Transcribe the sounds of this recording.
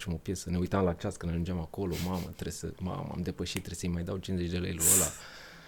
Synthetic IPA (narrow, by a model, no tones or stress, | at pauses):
t͡ʃemo̞pje̞səne̞ujt̪amlaːt͡ʃast̪kɨnaʒund͡ʒamako̞lo̞mamə̰t̪ɾesə̰ma̰mə̰a̰md̪e̞pəʃit̪ːɾe̞səjmajd̪awt͡ʃinzet͡ʃʲd̪elejluəla